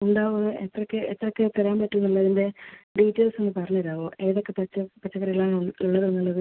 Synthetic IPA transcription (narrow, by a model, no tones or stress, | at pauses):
uɳɖaːʋoðɨet̪rɐkːeet̪rɐkːet̪ːɐɾaːmpɐtːunːuɭːɐɐðinde̞ɖiːtːeːlsenːɨpɐrɐɲːɐɾaːʋoːʔeːðo̞kːepɐt͡ɕːɐpɐt͡ɕːɐkːɐrijɐɭaːɳuɭːɐɾɐŋːɐɭoðɨ